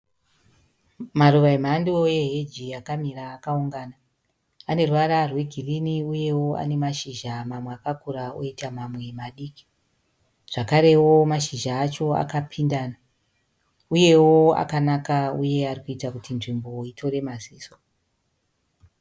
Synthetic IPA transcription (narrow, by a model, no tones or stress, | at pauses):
maruʋaim̤andoje̞ɦed͡ʒiakamiraːkauŋɡaːna | ane̞ruwaɾarwe̞ɡʱiriniuje̞woa̰ne̞maʃiʒamamweakakuɾao̰itamamwe̞maɗiːki̥ | ʐ̥akaɾe̞wo̞maʃiʒaːt͡ʃo̞a̰kapʰindaːna | uje̞woa̰kanakauje̞arikuitakutinʐimbo̞itʰo̞re̞maziːso